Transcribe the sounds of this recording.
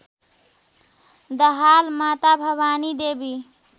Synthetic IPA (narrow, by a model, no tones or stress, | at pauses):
d̪əɦalmat̪abʱəbanid̪ebi